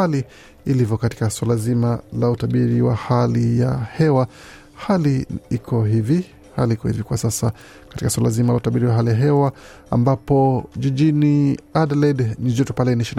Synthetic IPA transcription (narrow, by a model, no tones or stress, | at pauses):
aliː | livjɔkati̥kaswalazimalautaɓiɾiwahalijahɛwa | haliikʰɔɦivi | haliikɔhivikwasasa | katikaswalazimalaut̪aɓiɾiwaɦalijaɦɛwa | a̰mbapɔʄiʄiniadalɛdnid͡ʒɔtɔpalɛniʃiin